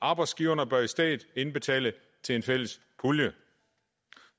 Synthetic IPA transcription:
ʔɑ̈ːb̥ɑ̈ɪd̥sɡ̥iːʊɐnəb̥ɶɐisd̥ɛ̰ːd̥ˠe̝nb̥e̝t͡sʰɛ̰ːlə | t͡sʰe̝le̝nfel̰əs | pʰuljə

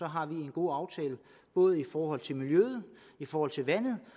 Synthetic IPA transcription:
sɒ̽ɦɑ̈ʋie̝nɡ̥o̝ːɑ̈ʊt͡sʰɛːlə | b̥ɔ̽ːð̞̩ˠifɒːɦɒ̽l̰t͡sʰe̝lmiljøð̩ˠ | ifɒːhɒ̽l̰t͡sʰe̝lʋæn̰ð̩ˠ

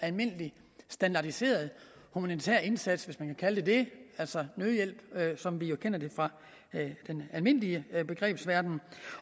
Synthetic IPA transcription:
ælme̝n̰əli | sd̥ænd̥ɑ̈d̥ise̝̰ːɐð̞̩ˠhumænit͡sʰḛɐ̰e̝nsæd̥sʋesmænkʰækʰæləd̥e̝d̥e̝æl̰sɒnøðˠjel̰b̥sɒ̽mʋijo̝kʰen̰ɐd̥e̝fʁɑ̈ | d̥enælme̝n̰əliəb̥e̝ɡ̥ʁɛ̰ːb̥sʋæɐd̥n̩

